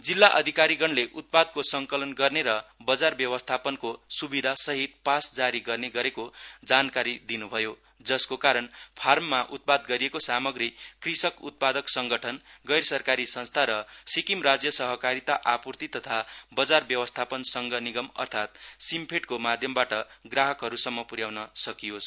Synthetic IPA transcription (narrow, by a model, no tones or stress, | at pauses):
d͡zilːaʔʌ̰d̪ʱikaɾiɡʌnleʔut̪̚pad̪̚kosʌŋkʌlʌnɡʌrneɾʌbʌd͡zarbjʌwʌst̪ʰapʌnkosubid̪ʱasʌɦit̪̚pasd͡zaɾiɡʌrneɡʌɾekod͡zankaɾid̪inubʱʌjo | d͡zʌskokaɾʌnpʰarmːaʔut̪̚pad̪ɡʌɾijekosamʌɡrikrisʌkṵt̪̚pad̪ʌksʌŋɡʌʈʰʌnɡʌjɾʌsʌrkaɾisʌnst̪ʰaɾʌsikimrad͡zjʌsʌɦʌkaɾit̪aʔapurt̪it̪ʌt̪ʰabʌd͡zarbjʌwʌst̪ʰapʌnsʌŋɡʱʌniɡʌmʌ̰rt̪ʰat̪simpʰeʈkomad̪ʱjʌmbaʈʌɡraɦʌkɦʌɾusʌmːʌpuɾjawnʌsʌkijos